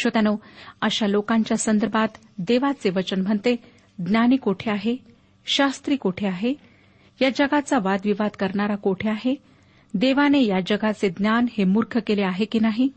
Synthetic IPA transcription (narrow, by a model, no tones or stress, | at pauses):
ɕʋət̪anoəɕalokãɲt͡ɕjasənd̪əɾbʱat̪ | d̪eʋat͡seʋət͡ɕənm̤əɳt̪e | d̪njaniːkoʈʰeaɦe | ɕast̪ɾiːkoʈʰeaɦe | jad͡ʑəɡat͡saʋad̪ʋiʋad̪kəɾɳaɾakoʈʰeaɦe | d̪eʋanejad͡ʑəɡʱat͡sed̪njanhemuɾkʰjəkeleaɦekinaɦi